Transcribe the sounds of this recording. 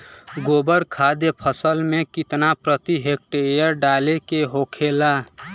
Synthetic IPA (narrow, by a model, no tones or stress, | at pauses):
ɡobəɾkʰad̪jəpʰəsəlmẽkit̪napɾət̪iɦek̚ʈeɾjəɾɖalekeɦokʰela